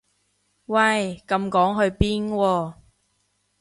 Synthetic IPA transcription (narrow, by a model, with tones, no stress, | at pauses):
wɐ˧˩jkɐ˧mkɔː˨˥ŋɦɵ˧ɥpiː˥nwɔː˧